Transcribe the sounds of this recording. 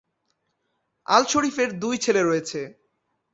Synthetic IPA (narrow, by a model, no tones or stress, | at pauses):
a̰lʃoɽifeɾd̪ujt͡ɕʰeleɾojet͡ɕʰe